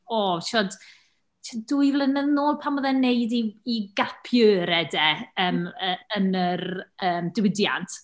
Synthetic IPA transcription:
oːʃɔd | ʃʰaduɨvlˠənɛðnoːlˠpʰamɔðɛneɨdiːɡapʰjəːɾɛdɛəːməənərəːmdɪwɪdja̰ntʰ

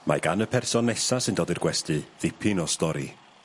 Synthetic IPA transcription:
ma̰ɡanəpʰɛrsɔnːɛsasɨndoːdirɡwɛstɨðɪpʰɪnɔstɔɾi

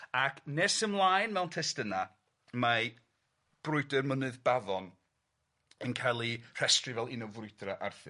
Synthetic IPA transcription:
akʰnɛsəmlˠajnmɛwntʰɛstəna | ma | b̥rʊɨdɛrmənɨðbaðɔn | ənkʰajlˠir̥ɛstrivɛlˠinɔwvrʊɨdraʔarθɨ̰

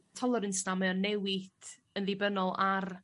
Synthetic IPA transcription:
tʰɔlˠɔɾənstamɛɔnːɛwɪd̥ | ənðɪbənɔlˠar

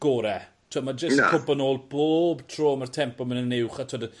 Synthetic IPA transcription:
ɡ̥oːɾɛtʰwɔdmad͡ʒəskʰʊbənoːlˠboːbtʰr̥oːmərtʰɛmpɔmənənːɪwχatʰwɔd

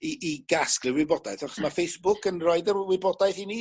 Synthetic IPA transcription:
iʔːɡasklɪwɪbɔdajθaχɔ̥smafejsb̥ʊkənroɨdəwɪbɔdajθini

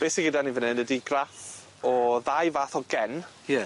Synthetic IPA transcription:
b̥esɪɡədanivənɛndədiɡraθ | ɔðajvaːθɔɡɛn | jɛ

